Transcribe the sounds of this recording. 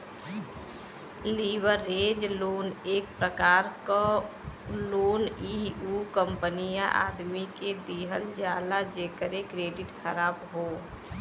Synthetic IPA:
liːʋəɾːeːd͡ʒloːneːk̚pɾəkaːɾk | loːniːukə̃mpənijaʔa̰ːd̪miked̪iɦəld͡ʒjaːlad͡ʒeːkəɾekɾeːɖɪʈxəɾaːbɦoː

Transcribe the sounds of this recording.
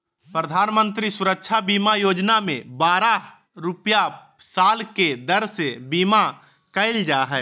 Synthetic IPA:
pɾəd̪ʱaːnmə̃nt̪ɾisʊɾəkʃʰabiːmajoːd͡ʒnamḛ̃baːɾa | ɾʊpja | saːlked̪əɾsebiːma | kəɪld͡ʒaːɦɛː

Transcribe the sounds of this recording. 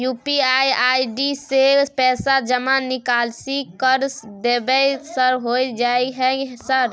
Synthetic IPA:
jupiajajɖisepɛːsad͡ʒəmanikalsikəɾsd̪ebɛsəɾɦojd͡ʒaiɦɛ̃səɾ

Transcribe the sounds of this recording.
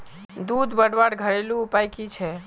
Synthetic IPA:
d̪ud̪bəɽʋaɽɡʱəɭelũupajkit͡ʃʰe

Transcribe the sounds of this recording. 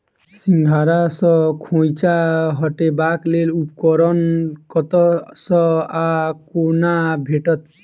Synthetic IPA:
siŋɡʱaɾasɔkʰõjt͡ʃaɦɔʈebaklelupkɔɾɔnkɔt̪ɔsɔakonabʱeʈɔt̪

